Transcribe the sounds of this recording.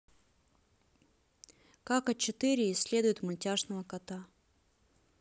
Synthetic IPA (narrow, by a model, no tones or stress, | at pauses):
kakɐt͡ɕɪt̪ɨɾʲɪːsʲːlʲe̞d̪ʊjɪt̪mʊlʲtʲaʐnəvəkɐt̪a